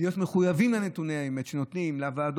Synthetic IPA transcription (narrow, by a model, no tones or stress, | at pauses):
ijo̞t̪meχujavimlanet̪uneaeme̞t̪ʃeno̞t̪nimlavaːd̪